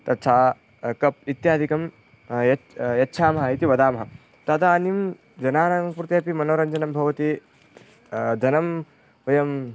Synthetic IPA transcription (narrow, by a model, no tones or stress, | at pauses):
t̪ɐt̪t͡ʃʰaː | kɐp̚it̪jaːd̪ʱikɐm | jɐjɐtːʃʰaːmɐɦɐit̪iʋɐd̪aːmɐɦɐ | t̪ɐd̪aːnim | d͡ʒɐnaːnaːŋpuɾt̪ɐɐpimɐnoːɾɐɲd͡ʒɐnɐmbʱɐʋɐt̪i | d̪ʱɐnɐm | ʋɐjɐm